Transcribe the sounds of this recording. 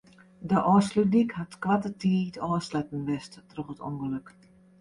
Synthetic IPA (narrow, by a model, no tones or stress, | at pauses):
dəʔɔːslydikhatkʋatətʰiːtɔːslɛtn̩ʋɛsttrɔxəto̰ŋɡəløk